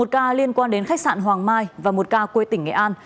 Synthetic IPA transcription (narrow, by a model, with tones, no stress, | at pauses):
o˨˩t̚kaː˧li˧ənkwaː˧nɗe˨˦nxa˦˥k̚sa̰ː˧˨nɦwaː˨˩ŋmaː˧jvaː˨˩mo˨˩t̚kaː˧kwe˧t̪ï˧˩ŋ̟ŋɛ̰˧˨ʔaː˧n